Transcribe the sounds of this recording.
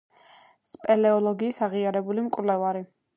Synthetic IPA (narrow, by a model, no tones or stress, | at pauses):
spʼɛlɛɔlˠɔɡiːsaʁiaɾɛbulimkʼvlɛvaɾi